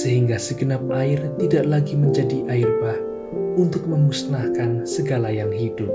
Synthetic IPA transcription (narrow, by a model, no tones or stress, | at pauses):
səɦiŋɡasəɡənap̚aɪrt̪idaʔlaɡiməɲd͡ʒadiʔaɪrbah | unt̪ʊk̚məmusnahkansəɡalajaŋɦidʊt̪̚